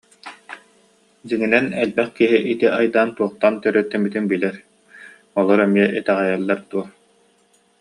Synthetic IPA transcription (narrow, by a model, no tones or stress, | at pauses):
d͡ʑiŋinɛnɛlbɛχkiɦiʔit̪iʔajd̪aːnt̪uɔχt̪ant̪œɾœt̪ːɛmit̪inbilɛɾ | ɔlˠɔɾɛmiɛʔɛt̪ɛʁɛjɛlˠːaɾd̪uɔ